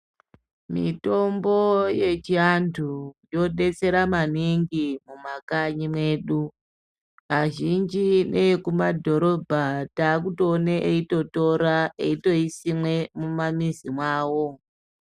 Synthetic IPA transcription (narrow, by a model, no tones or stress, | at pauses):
mḭto̞mbo̞je̞t͡ʃiantʰujo̞ɗe̞t͡se̞ɾamaniŋɡimumakaɲimweːɗu | aʒind͡ʒine̞kumadʱo̞ɾo̞bʱataːkutoːneʔeito̞to̞ɾaeito̞isimwe̞mumamizimwaːwo̞